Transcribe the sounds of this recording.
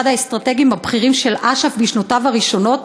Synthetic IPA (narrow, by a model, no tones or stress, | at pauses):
adaest̪ʁate̞ɡimabχiʁimʃe̞lʔaʃafbiʃnotavaʁiʃo̞no̞t